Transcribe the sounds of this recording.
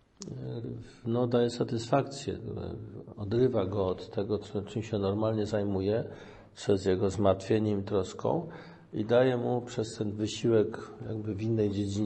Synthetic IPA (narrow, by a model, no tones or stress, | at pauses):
nɔd̪ajɛsat̪ɘsfak̚t̪sʲjɛ̰ | ɔd̪ɾɘvaɡɔːt̪ːɛɡɔt͡ʂɘmɕɛnɔɾmalɲɛzajmujɛ | pʂɛzjɛɡɔzmaɾt̪fʲjeɲɛmt̪ɾɔskɔ̰̃w̃ | ḭd̪ajɛmupʂɛst̪ɛnvɘɕiwɛkja̰ɡbɘvʲinːɛjd͡ʑed͡ʑiɲ